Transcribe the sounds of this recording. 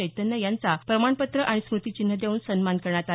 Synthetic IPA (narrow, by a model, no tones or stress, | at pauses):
əjt̪ənːəjant͡sapɾəmaɳpət̪ɾəʔaɽ̃ismɾut̪it͡ɕin̤ːəd̪euːnsənmankəɾɳ̃at̪a